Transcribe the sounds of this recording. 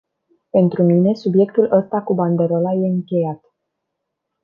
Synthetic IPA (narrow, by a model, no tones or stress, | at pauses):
pe̞nt̪ɾumine̞subje̞kt̪ulʔəst̪akuband̪e̞ɾo̞laje̞ɨŋkʲe̞jat̪